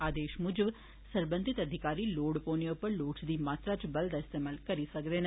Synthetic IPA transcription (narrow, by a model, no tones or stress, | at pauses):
aːd̪eːʃmʊd͡ʒəb | səɾbə̃nd̪ʱɪt̪əd̪ʱɪkaːɾiːloːɽpoːniʊpəɾloːʈsd̪iːmaːt̪ɾat͡ʃbɐld̪aɪst̪eːmaːlkɐɾisɐkd̪eːn